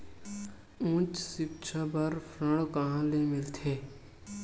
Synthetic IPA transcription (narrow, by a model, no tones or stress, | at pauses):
ũːt͡ʃsɪp̚t͡ʃʰabəɾpʰɾə̃ɽkəɦãlemɪlt̪ʰeː